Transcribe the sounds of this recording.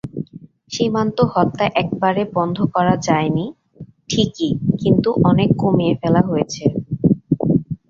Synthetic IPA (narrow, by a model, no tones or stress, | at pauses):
ʃimant̪ohɔt̪ːaʔɛk̚baɾebɔnd̪ʱokɔɾad͡ʑaeni | ʈʰikikint̪uʔɔnekːomiefɛlaɦojet͡ɕʰe